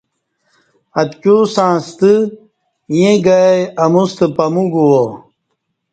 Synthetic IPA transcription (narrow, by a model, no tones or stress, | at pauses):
ɐt̪kusãːst̪ɨ | jẽɡajɐmust̪ɨpɐmuɡuwo